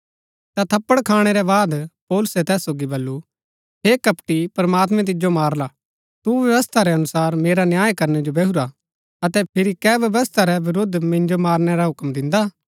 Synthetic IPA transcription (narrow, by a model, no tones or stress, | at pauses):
t̪at̪ʰɐpːəɽkʰaːɽ̃eɾɛbaːd̪pɔːlʊsɛt̪ɛːsːoːɡibɐlːu | ɦeːkɐpʈipɐɾɐmaːt̪̬mɛ̃t̪̬ɪd͡ʒomaːɾla | t̪uʋjɐʋəst̪ʰaɾɛɐnʊsaːɾmeːɾanjaːjkɐɾnɛd͡ʒobɛːɦuɾa | ɐt̪ɛpʰɪɾikɛːʋjɐʋəst̪ʰaɾɛʋɪɾod̪ʱːmɪ̃nd͡ʒomaːɾñɛɾaɦʊkmd̪ɪ̃nd̪a